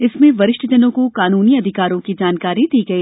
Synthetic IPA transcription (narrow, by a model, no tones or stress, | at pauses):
ɪsmẽʋɐɾɪʃʈəd͡ʒɐnõkokaːnuːniɐd̪ʱɪkaːɾõkid͡ʒaːnkaːɾid̪iːɡɐiː